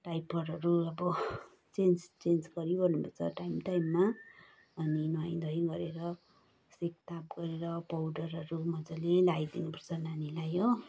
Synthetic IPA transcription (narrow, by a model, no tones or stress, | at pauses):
ʈajpʌɾʌɾuʌbʌ | t͡send͡zt͡send͡zɡʌɾiobʌnubʱʌt͡sʰʌ̰ʈajmʈajmːaː | ninaj̃d̪ʱʌjɡʌɾeɾʌ | sek̚t̪ap̚ɡʌɾeɾʌpawɖʌɾʌɾumʌd͡zʌlelajd̪inupʌrt͡sʰʌnanilajo